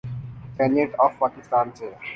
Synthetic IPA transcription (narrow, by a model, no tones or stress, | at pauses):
kɛneʈɔfpakist̪aːnt͡ɕʰe